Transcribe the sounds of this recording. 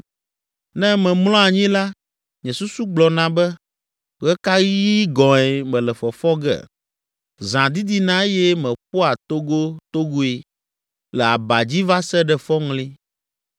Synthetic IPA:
nɛ̃˦mɛ̃˨mlɔ̃˦a˨ɲĩ˦la˦ | ɲɛ̃˨su˦su˦ɡ͡blɔ˨nã˨bɛ˦ | ɣɛ˦ka˦ɣi˦ɡɔ̃˨ɛ˨mɛ̃˨lɛ˨fɔ˨fɔ˦ɡɛ̰˦˨ | zã˨d̪i˦d̪i˦nã˦e˦jɛ˦mɛ̃˨po˦a˨t̪o˦ɡo˦t̪o˦ɡo˦e˨ | lɛ˨a˨ba˨d͡ʑi˦va˦sɛ˦ɖɛ˨fɔ˦ŋlĩ˦

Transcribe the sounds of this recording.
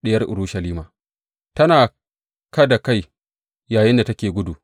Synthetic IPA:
ɗɪ˦jɐ˦rʔʊ̰˨ɾu˦ʃɐ˨liː˦maː˨ | tɐ˦naː˨ | kɐ˦da˨ka˦j | jaː˨jɪ˦nda˨tɐ˦kʲeː˨ɡʷʊ˦du˨

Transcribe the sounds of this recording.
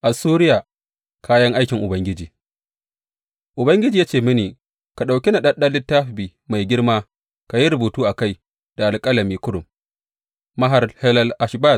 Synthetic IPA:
ʔa˨suː˦ɾɪ˦jaː˨ | kʰaː˦jɐ˦ŋʔa˦jkʲɪ˨ŋʔʊ˨bɐ˦ŋɡʲɪ˦d͡ʒiː˨ | ʔʊ˨bɐ˦ŋɡʲɪ˦d͡ʒiː˨jaː˦t͡ʃeː˦˨mɪ˦niː˨ | ka˨ɗa˨wkʲi˦na˨ɗɐ˦ɗɐ˦lɪ˦tːaː˦ɸbiː˨ | ma˨jɡʲɪ˦rmaː˦ | ka˨ji˦ɾʊ˨buː˨tuː˦ʔa˨ka˦˨j | d̥a˨ʔa˨lkʼɐ˦lɐ˨miː˦kʊ˦ɽʊ˨mː | ɐ˦ɦa˨rhɛ˦lɐ˦lʔa˨ʃba˦˨

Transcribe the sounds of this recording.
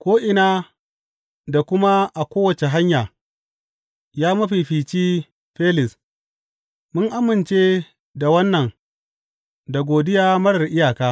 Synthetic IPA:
kʷoː˦ʔɪ˨naː˦ | da˨kʷʊ˦ma˦ʔa˨kʷoː˦wɐ˨t͡ʃe˨ɦa˦ɲjaː˨ | jaː˦mɐ˦ɸi˨ɸiː˨t͡ʃiː˦ | ɸeː˦lɪ˨s | mʊ˦ŋʔa˨˦mɪ˨nt͡ʃeː˦ | da˨wɐ˦nːɐ˨ŋ | da˨ɡʷoː˨dɪ˦jaː˦mɐ˦ɽɐ˨rʔɪ˦jaː˨kaː˦

